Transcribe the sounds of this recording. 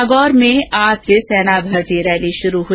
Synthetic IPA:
ɐɡɔːɾmẽaːpsesɛːnabʱɐɾt̪iɾɛːliʃʊɾuɦu

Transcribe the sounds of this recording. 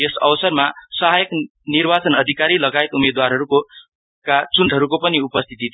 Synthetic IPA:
jesʌ̰bʌsʌrmasʌɦajʌk | nirbat͡sʌnʌd̪ʱikaɾilʌɡaet̪umed̪warɦʌɾuko | kat͡sunɖɦʌɾukopʌniupʌst̪ʰit̪it̪ʰ

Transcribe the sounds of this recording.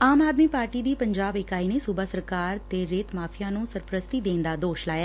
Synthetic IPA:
aːmaːd̪miːpaːɾʈiːd̪iːpəɲd͡ʒaːbɪkaːiːneːsuːbaːsəɾkaːɾt̪eːɾeːt̪maːpʰɪjãːnũːsəɾpɾəst̪iːd̪ẽːnd̪aːd̪oːʃlaːjaː

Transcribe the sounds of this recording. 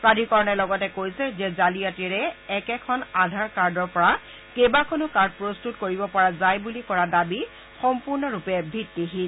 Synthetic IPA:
pɹadʱikɔɹɔnɛlɔɡɔtɛkojsɛzɛzaliatiɹɛɛkɛkʰɔnadʱaɹkaɹdɔɹpɔɹa | kebakʰonʊkaɹd̚pɹɔstutkoɹibɔpɔɹazajbulikɔɹadabi | xɔmpuɹnɔɹupɛbʱitːiɦil

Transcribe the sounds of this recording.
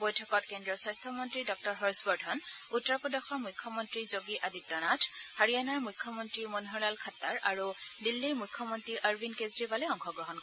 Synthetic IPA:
bojtʰɔkɔtkendɹɔswajstʰɔmɔntɹidɔk̚tɔɹɦɔɹsbɔɹdʱɔnutːɔpɔdɔxɔɹmujkʰːɔmɔntɹizoɡiʔaditːɔnatʰhaɹijanaɹmujkʰːɔmɔntɹimɔnɦɔlalkʰatːa̰ɹa̰ɹudilːiɹmujkʰːɔmɔntɹiʔəɹbinkezɹibalɛɔŋxɔɡɹɔɦɔnkɔ

